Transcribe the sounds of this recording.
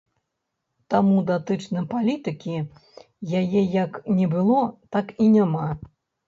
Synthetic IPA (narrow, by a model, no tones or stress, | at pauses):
t̪amud̪at̪ɨt͡ʂnɨpalʲit̪ɨkʲi | jajɛjɐknʲɛbɨlˠɔt̪akinʲama